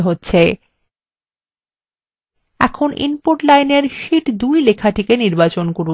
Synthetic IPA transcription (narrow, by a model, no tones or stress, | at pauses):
ɦotːɕʰe | ɛ̰kʰonʔḭnpoɾʈlajneɾʃiʈd̪ujlekʰaʈʰikeniɾbat͡ɕonkoɾu